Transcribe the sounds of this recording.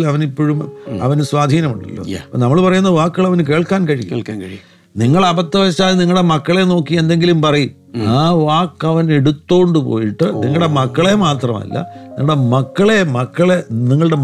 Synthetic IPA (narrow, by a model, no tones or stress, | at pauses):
lɐʋɐnipːoːɻumɐ̰ʋɐnuswaːd̪ʱiːnɐmuɳɖɐ̰lːo̰ːɐpːoːnɐmːɐɭpɐrɐjunːɐʋaːkːɐɭɐʋɐnɨk̬e̞ːɭkaːnkɐɻij̰ | niŋːɐɭɐbɐt̪ːɐʋɐɕːaːlniŋːɐɨɽe̞mɐkːɐɭe̞no̞ːkːie̞nd̪eŋɡilumpɐrɐjum | aːʋaːkːɐʋɐne̞ɽut̪ːo̞ːɳɖɨpo̰ːjiʈːɨniŋːɐɭɽe̞mɐkːɐɭe̞maːt̪rɐmɐ̰lːɐ̰niŋːɐɽe̞mɐkːɐɭe̞mɐkːɐɭeniŋːɐɭɨɽe̞